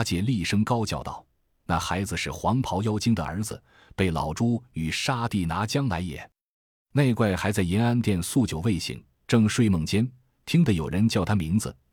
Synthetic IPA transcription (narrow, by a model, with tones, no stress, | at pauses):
t͡ɕjɛ˧˥li˥˩ʂɤ˥ŋkɑ˥ʊt͡ɕjɑ˥˧ʊt̪ɑ̰˥˩ʊ | na̰˥˩xa˧˥ɪd͡zɹ̩˧ʂɻ̩˥˩xwɑ˧˥ŋpʰɑ˧˥ʊjɑ˥ʊt͡ɕi˥ŋd̪ə̰˨ə̰˞˧˥d͡zɹ̩̰˧ | pe˥˩ɪlɑ̰˨˩ʊʈ͡ʂu˥y˨˩ʂa˥t̪i˥˩na˧˥t͡ɕjɑ˥ŋla˧˥ɪjɛ̰˨˩˦ | ne˥˧ɪkwa˥˩ɪxa˧˥ɪt͡sa˥˩ɪjɛ˧˥na˥nt̪jɛ˥˧nsu˥˩t͡ɕjo˨˩ʊwe˥˩ɪɕḭ˥˩ŋ | ʈ͡ʂɤ˥˧ŋʂwe˥˧ɪmɤ˥˩ŋt͡ɕjɛ˥n | t̪ʰi˥ŋd̪ə˨jo˨˩ʊɻə˧˥nt͡ɕjɑ˥˩ʊt̪ʰa˥mi˧˥ŋd͡zɹ̩̰˧